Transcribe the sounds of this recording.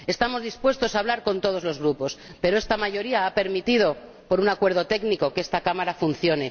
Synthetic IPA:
e̞st̪amo̞zðispwe̞st̪o̞saβ̞laɾko̞nt̪o̞ð̞o̞zlo̞zɣ̞ɾupo̞spe̞ɾo̞e̞st̪amaʝo̞ɾiaape̞ɾmit̪ið̞o̞ | po̞ɾunakwe̞ɾð̞o̞t̪e̞ɡniko̞ke̞st̪akamaɾafunθjo̞ne

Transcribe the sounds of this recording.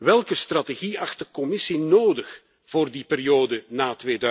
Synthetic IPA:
ʋɛlˠkəstrateɣiɑxt̚dəkɔmɪsinoːdəx | v̥oːrdipɪɾijoːdənaːtʋeːdœ

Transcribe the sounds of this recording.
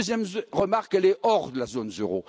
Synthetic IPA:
zjɛmʁəmaʁkɛlɛʔɔʁd̪əlazonzøʁo

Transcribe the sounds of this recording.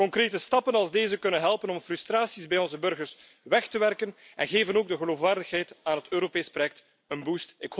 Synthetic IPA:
kɔŋkɾeːtəstɑpənɑlˠzdeːzəkɵnənɦɛlˠpənɔmfrystraːsizbɛjɔnzəbɵrɣərs | ʋɛxtəʋɛrkən | ɛnɣeːvənoːɡ̚dəɣəloːfwaːrdəxɦɛjtaːnɦətøːɾopeːspɾojɛk̚t | ənbustɪkh

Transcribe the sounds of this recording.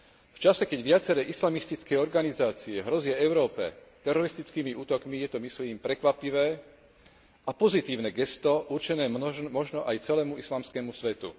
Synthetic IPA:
ft͡ʃasɛkɛɟʋɪat͡sɛɾɛːʔislamist̪it͡skɛjɔɾɡanizaːt͡siɛɦɾɔzɪaɛʊɾɔːpɛ̰t̪ɛɾɔɾist̪it͡skiːmiʔuːt̪ɔkmijɛt̪ɔmisliːmpɾɛkʋapiʋɛː | ʔapɔzit̪iːʊnɛɡɛst̪ɔʔurt͡ʃɛnɛːmɔʒnɔʔajt͡sɛlɛːmuislaːmskɛːmusʋɛt̪ṵ

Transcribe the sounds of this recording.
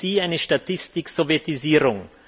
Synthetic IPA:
iːaɪnəʃtatʰɪstɪksɔvjɛtiziːʁʊŋ

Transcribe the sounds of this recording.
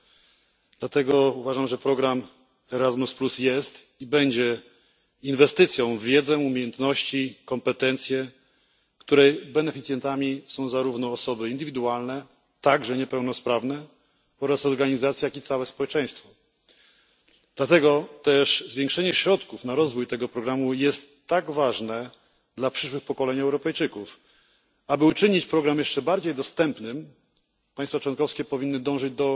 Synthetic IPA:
d̪̥lat̪ɛɡɔuvaʐamʐɛpɾɔɡɾam | ɛɾazmusplusjɛst̪ | ibɛɲd͡ʑɛ | invɛst̪ɘt̪sʲjɔ̃w̃vʲjɛd̪zɛumʲjejɛnt̪nɔɕt͡ɕikɔmpɛt̪ɛnt̪sʲjɛ | kt̪uɾɛjbɛnɛfʲit̪sʲjɛnt̪amʲisɔ̃w̃zaɾuvn̪ɔːsɔbɘind̪ɘvʲid̪ualnɛ | t̪aɡʐɛɲɛpɛwn̪ɔspɾavnɛ | ɔɾasɔɾɡaɲizat̪sʲjajakit̪sawɛspɔwɛt͡ʂɛ̃j̃st̪fɔ | d̪lat̪ɛɡɔt̪ɛʂzvjẽŋkʂɛɲɛɕɾɔt̪kufnaɾɔzvujt̪ɛɡɔpɾɔɡɾamujɛst̪ːaɡvaʐnɛ | d̪lapʂɘʂwɘxpɔkɔlɛɲɛwɾɔpɛjt͡ʂɘkuf | abɘut͡ʂɘɲit͡ɕpɾɔɡɾamjɛʂt͡ʂɛbaɾd͡ʑejd̪ɔst̪ɛmpnɘm | paɲjst̪fat͡ʂwɔnkɔfskʲɛpɔvʲinːɘd̪ɔ̃w̃ʐɘd͡ʑd̪ɔ

